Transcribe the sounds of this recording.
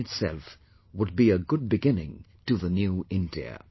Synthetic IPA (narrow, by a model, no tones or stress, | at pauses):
ɨtsɛ̰lˠf | wəd̚biɨɡʊd̚bɨɡɪ̃nɪ̃ŋ | tʰɨðɨnjʉɪ̃ndḭɨ̰